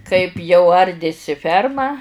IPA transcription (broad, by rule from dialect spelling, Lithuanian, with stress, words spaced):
kɐɪp jɛʊ ˈɐrʲdʲeːsʲɪ ˈfʲɛrmɐ